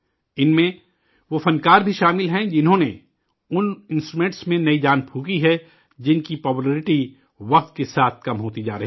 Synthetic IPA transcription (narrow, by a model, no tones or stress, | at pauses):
ɪnmẽ | ʋofɐ̃nkaːɾbʱiʃaːmɪlɦɛ̃d͡ʒɪnɦõne | ʊnɪ̃nsʈɾumẽːɳʈsmẽnɐid͡ʒaːnpʰuːkiɦɛ | d͡ʒɪnkipɔːpuleːɾɪʈi | ʋɐq̚t̪kesaːt̪ʰkɐmɦoːt̪id͡ʒa̰ːɾɐɦi